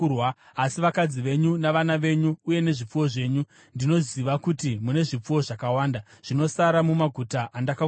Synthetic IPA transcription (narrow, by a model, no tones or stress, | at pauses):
wa | asiʋakad͡ziʋe̞ɲunaʋanaʋe̞ɲuːje̞ne̞ʐip͡fuwo̞ʐe̞ːɲu | ndino̞ziʋakutimune̞ʐip͡fuwo̞ʐakawaːndaʐ̥ino̞saɾamumaɡʱutaʔandaka